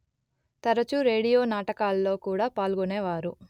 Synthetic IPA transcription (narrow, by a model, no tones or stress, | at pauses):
t̪ɐɾɐt͡ʃuɾe̞ːɽijoːnaːʈɐkaːlɐlo̞ːkuːɽaːpaːlɡoneːʋaːɾu